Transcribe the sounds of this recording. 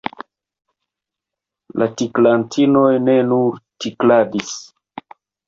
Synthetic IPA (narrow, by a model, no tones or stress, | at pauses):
lʔatiklantʰino̞jne̞nuɾtikladis